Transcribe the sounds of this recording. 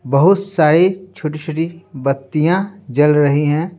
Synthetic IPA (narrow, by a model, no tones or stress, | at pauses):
bɐɦʊt̪saːɾet͡ʃʰoːʈet͡ʃʰoːʈibɐt̪ːijãd͡ʒɐlɾɐɦiɦɛ̃ː